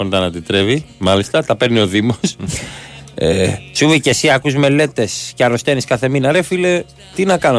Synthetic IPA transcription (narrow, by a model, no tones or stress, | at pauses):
ond̪ɐnɐd̪it̪ɾe̞vimɐlist̪ɐt̪ɐpe̞ɾnio̞ðimos | ḛt͡ʃuvice̞siɐkuzme̞le̞t̪e̞sceɐɾost̪e̞niskɐθe̞minɐɾe̞file | t̪inɐkɐno